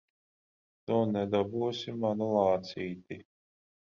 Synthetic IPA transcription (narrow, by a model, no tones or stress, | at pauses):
t̪unɛd̪abuɔsimːanulˠɑːt̪siːt̪i